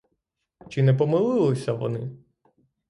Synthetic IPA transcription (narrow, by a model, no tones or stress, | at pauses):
t͡ʃɪnɛp̬ɔmɪlˠɪlˠɪsʲɐʋɔ̰nɪ